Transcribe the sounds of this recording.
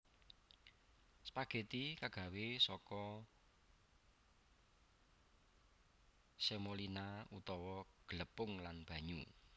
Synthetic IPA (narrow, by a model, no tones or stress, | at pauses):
spaɡ̥e̤t̪ikaɡ̥ä̤wesɔkɔ | semolinaut̪ɔwɔɡ̥ələpʊŋlanb̥ä̤ɲu